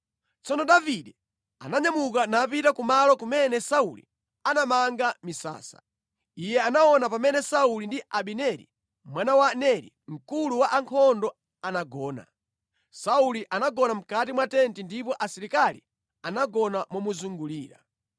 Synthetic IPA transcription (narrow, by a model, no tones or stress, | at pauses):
t͡sɔnɔɗaviɗɛ | a̰naɲamuk̬anapitakumalɔkumɛnɛsaulḭ | anamaŋɡamisa̰ːsḁ̰ | ijɛanaɔnapamɛnɛsaulindiaɓinɛɾḭ | mwanawanɛɾḭŋ̩kuluwaʔaŋkʰɔndɔ | anaɡɔːna̰ | sauliʔanaɡɔnam̩katimwatɛntindipɔʔasiɾikali | anaɡɔnamɔmuzuŋɡuliːɾa̰